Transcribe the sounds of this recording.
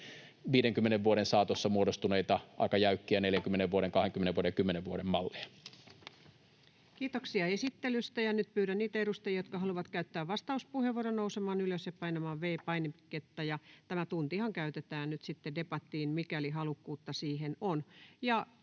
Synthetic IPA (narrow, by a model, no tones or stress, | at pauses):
ʋiːɾeŋkymːeneʋʋuoɾensɑːt̪osːɑmuodost̪uneit̪ɑʔɑ̰ikɑjæykːiæneljæŋkymːeneʋʋuoɾeŋkɑheŋkymːeneʋuoɾeŋkymːeneʋʋuoɾemmɑlːiɑ | kiːt̪oksiɑesit̪ːelyst̪æjɑnyt̪̚pyːɾænniːt̪æeɾust̪ejɑjot̪̚kɑhɦɑluʋɑt̪kæyt̪ːæːʋʋɑst̪ɑuspuheʋoronousemɑːnyløsjɑpɑinɑmɑːʋʋeːpɑinemket̪ːɑjɑt̪æmæt̪unt̪iihɑŋkæyt̪et̪æːnnyt̪sit̪ːedepɑt̪ːˑiːnmikæliɦɑlukːuːt̪ːɑsiːɦenonjɑ